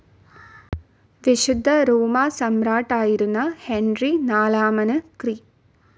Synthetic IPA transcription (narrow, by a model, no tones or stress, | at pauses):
ʋiʃud̪ʱːɐɾuːmaːsɐmɾaːʈaːjiɾunːɐhenɾinaːlaːmɐnɐkɾi